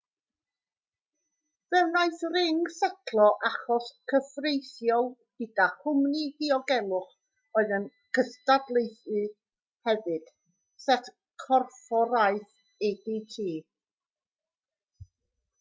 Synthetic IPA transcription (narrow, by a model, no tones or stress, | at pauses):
vɛwnaɨθrɪŋsɛkʰlˠɔʔaχɔskʰəfrejθjɔlˠɡ̥ɨd̥ahʊmnihiɔɡɛlˠʊχ | oːɨðən | kʰəstadlˠejθɨ | hɛvɨd̥ | sɛtʰ | kʰɔrfɔɾaɨθ | ɛditʰiː